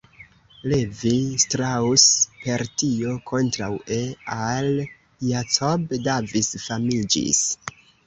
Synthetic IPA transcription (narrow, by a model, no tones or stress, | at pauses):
levistɾauspe̞ɾtio̞kʰo̞ntɾawʔeal | jat͡sobdavisfamid͡ʒḭs